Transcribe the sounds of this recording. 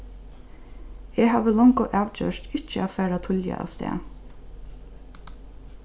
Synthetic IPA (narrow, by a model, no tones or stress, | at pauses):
eːhɑːʋəlɔŋkɔʔɑʋt͡ʃø̰ːʂt̪ɪt͡ʃːəæːfæːɹat̪ʰʊljə̰ʔɑ̰ːʋst̪ḛː